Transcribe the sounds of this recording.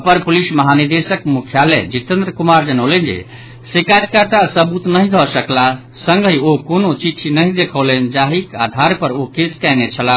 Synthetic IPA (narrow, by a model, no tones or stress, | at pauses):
pəɾpulisməɦaniɾd̪esəkmukʰjalɛ̰d͡ʒit̪ə̃nd̪ɾəkumaɾd͡ʒənəlɛnd͡ʒḛ | sekaɾkəɾt̪asəbut̪nəɦĩd̪ʱɔsəkla | sə̃ŋɡəiokonot͡ʃit͡ʃʰinəɦid̪ekʰəlɛnd͡ʒaɦikad̪ʱaɾpəɾokeskɛnɛt͡ʃʰəla